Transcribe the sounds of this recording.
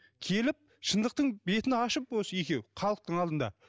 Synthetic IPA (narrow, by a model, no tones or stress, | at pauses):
kʲʰe̞lɪp̚ | ʃənd̪əq̚t̪əɴbe̞t̪ɪnɑʃəp̚wosəje̞kʲe̞wχɑlˠəq̚t̪əɴɑlˠd̪ənd̪ɑ̰